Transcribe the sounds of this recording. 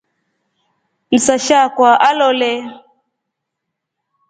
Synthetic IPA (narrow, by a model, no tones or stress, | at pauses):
lisaʃakwaʔalɔlɛ